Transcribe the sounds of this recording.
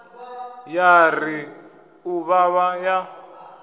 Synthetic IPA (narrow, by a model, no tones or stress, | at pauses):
jari | uβaβaja